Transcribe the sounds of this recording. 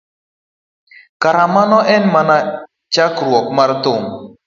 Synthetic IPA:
kaɾamanɔʔɛnmana | t͡ʃakɾwɔk̚maɾtʊŋ

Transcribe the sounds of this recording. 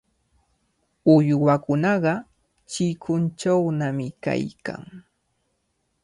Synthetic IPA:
ʊjwakʊnɑɢɑ | t͡ʃɪkʰʊnt͡ʃawnamɪka̰jka̰ŋ

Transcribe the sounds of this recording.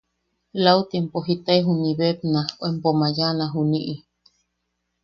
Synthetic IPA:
laut̪impoɦit̪aeɦuniβep̚naoempomajanaɦuniʔi

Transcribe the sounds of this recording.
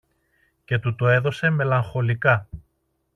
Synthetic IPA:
ce̞t̪ut̪oe̞ðo̞se̞me̞lɐŋxo̞likɐ

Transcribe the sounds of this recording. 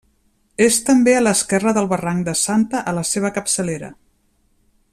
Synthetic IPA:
est̪əmbeələskɛrəðəlˠβəraŋd̪əsant̪əʔələseβ̞əkəpsəleɾə̰

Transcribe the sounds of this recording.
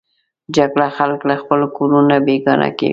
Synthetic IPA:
d͡ʒaɡɽaxalklaxpəlkoɾunabeɡɑna̰kḛ

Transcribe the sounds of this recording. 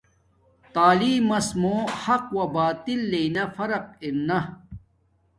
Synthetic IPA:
t̪aːliːmɐsmõːhɐqwɐbaːt̪ilːeinɐfɐɾɐq̚iɾnɐ

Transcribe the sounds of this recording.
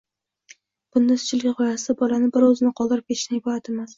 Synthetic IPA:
b̥ʊnd̪asʊ̥t͡ʃʰɪlɡʲaqʰɒjasɪd̪abɒlanɪbɪɾɵzɪnɪqʰɒlˠd̪ɪɾɪp̚kʰʲet̪ɪ̥ʃt̪anɪbʰɒhat̪ʰe̞mas

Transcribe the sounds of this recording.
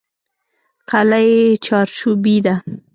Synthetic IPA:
qalajet͡ʃɑɾʃubid̪a

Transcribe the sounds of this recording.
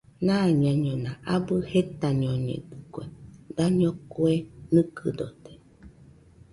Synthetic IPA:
nãɲãɲõnãʔabɨhet̪aɲioɲḛ̃d̪ɨkwed̪aɲõkuenɨkɨd̪ot̪e̥

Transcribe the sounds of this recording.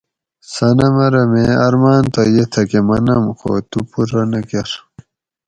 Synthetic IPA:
sɐnɐmɐɾɐmeɐɾmaːnt̪ojet̪ʰɐkemɐnɐmxo̰t̪upuɾɐnɐkeɾ

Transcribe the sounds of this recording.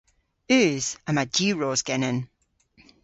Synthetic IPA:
ʉːz̥əmadiːɹɔːzɡ̥ɛnən

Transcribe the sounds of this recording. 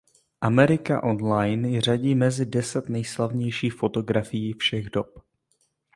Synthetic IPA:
ʔamɛɾɪka̰ʔo̞nlajnjr̝aɟiːmɛzɪdɛsɛt̪nɛjslavɲɛjʃiːxfo̞t̪o̞ɡɾafɪjiːfʃɛɣdop

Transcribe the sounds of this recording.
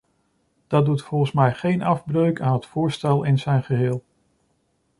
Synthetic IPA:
d̥ɑdutfɔlˠχənsmɛjχejnɑvbrøɥkaːnɦətfʊːɹstɛlˠɪnzɛjnχəɦɪːlˠ

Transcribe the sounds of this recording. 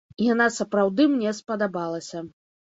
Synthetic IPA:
janasɐpɾawd̪ɨmnʲɛspɐd̪abalˠɐsʲɐ

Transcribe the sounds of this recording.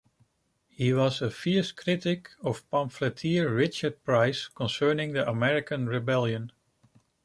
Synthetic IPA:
hiwʌzəfɪɹskʰɹɪɾɪkʰʌv̥pɑ̃mflətʰiɹɹɪt͡ʃə˞d̚pʰɹ̥aɪskʰə̃nsɜ˞nɪ̃ŋðiʔəmɛɹɪkʰə̃nɹɪbɛlˠjə̃n

